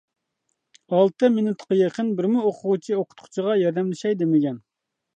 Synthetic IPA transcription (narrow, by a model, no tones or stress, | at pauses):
ɑlˠt̪ɨmɪnut̪qəjeqənbɪɾmuoqʰʊʁʊt͡ʃʰioqʰʊ̥t̪qʰʊ̥t͡ʃʰiʁɑjɑɾd̪ɛmlɪʃɛjd̪emɪɡʲɛn